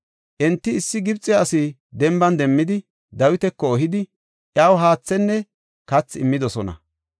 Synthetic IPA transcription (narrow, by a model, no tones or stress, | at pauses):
ʔɛnt̪ːɪːsːɪɡɪbt͡sʼːɪjaːsɪ | d̪ɛmbɐnd̪ɛmːɪd̪ɪ | d̪ɐwɪt̪ɛkːɔːɦɪd̪ɪ | ʔjaːwɦaːt͡sːɛnːɛ | kɐt͡sːɪmːɪd̪ɔsɔnɐ̰